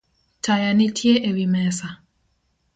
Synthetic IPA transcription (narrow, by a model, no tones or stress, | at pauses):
tajanitʰjeʔewimɛsa